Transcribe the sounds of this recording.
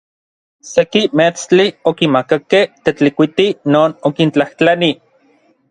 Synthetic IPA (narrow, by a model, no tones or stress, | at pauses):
sekimet͡st͡ɬiokimakakeht̪et͡ɬikʷit̪inoːnokint͡ɬaht͡ɬani